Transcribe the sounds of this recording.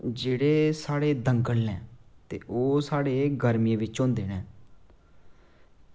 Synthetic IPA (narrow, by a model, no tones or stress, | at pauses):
d͡ʒeːɽeːsaːɽeːd̪əŋɡəɽnɛ̃ːt̪ḛːʔoːsaːɽeːɡəɾmjẽːʋɪt͡ʃõːnd̪eːnɛː